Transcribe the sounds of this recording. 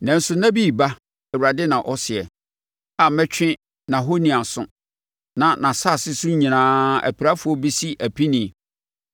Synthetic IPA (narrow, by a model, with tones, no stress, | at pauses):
nɛ̃˨n̩˦sʊ˨nã˦bi˦˨ba˦ | ɛ˨wɾa˨dɪ˦nã˨ʔɔ˦sɪ˨ɛ˨ | a˨mɛ̃˦t͡ɕᶣʰɪ̃˦ | nã˨ɦo˦nĩ˨a˨sʊ̰̃˦ | nã˨nã˨sa˦˨sɪ˦sʊ̃˦ɲĩ˨nãː˦æ̰˨pʰi˨ɾa˦fʊ˨˦ɔ˦bi˦si˦ʔæ˨pʰi˦nĩ˨